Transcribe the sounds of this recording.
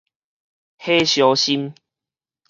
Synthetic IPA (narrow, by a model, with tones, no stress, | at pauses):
he˦ɕjɔ˨˧˦ɕi˦m